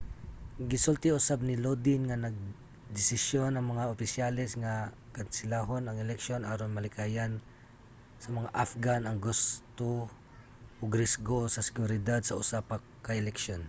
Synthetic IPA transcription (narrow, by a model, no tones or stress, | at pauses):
ɡɪsʊlt̪ɪʊsab̚nɪlod̪ɪnŋanɐɡ̚ | d̪ɪsɪsjonɐŋmɐŋaʊpɪsjalɛsŋa | kansɪlaɦonɐŋɛlɛkʃjonʔaːɾonmɐlɪkajan | sɐmɐŋaʔafɡanɐŋɡʊst̪o | ʔʊɡɾɪsɡosɐsɪ̥ɡʊɾɪd̪ad̪sɐʊsapa | kːaʔɛlɛkʃjon